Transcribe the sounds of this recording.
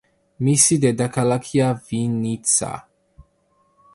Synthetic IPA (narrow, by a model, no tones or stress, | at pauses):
misid̪ɛd̪akʰalakʰiavinit͡sa̰